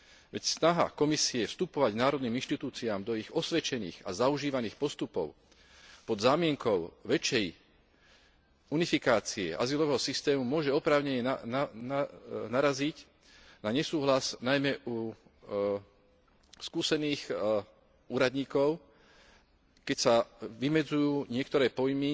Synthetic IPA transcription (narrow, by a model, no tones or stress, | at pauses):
ʋɛcsnaɦa̰kɔmisiɛfst̪upɔʋaɟnaːɾɔd̪niːminʃt̪it̪uːt͡siaːmd̪ɔiɣɔsʋɛt͡ʃɛnḭːɣa̰zauʒiːʋaniːxpɔst̪upɔ̰ʊ | pɔd̪zaːmɪɛŋkɔʊʋɛt͡ʃɛj | unifikaːt͡siɛ̰ʔa̰zilɔʋɛːɦɔsist̪ɛːmumʊɔʒɛɔpɾaːʊɲɛɲɛanaɾazic | naɲɛsuːɦlasnajmɛʔu | skuːsɛniːx | uːɾad̪ɲiːkɔʊ | kɛcsaʋimɛd͡zujuːɲɪɛkt̪ɔɾɛːpɔjmi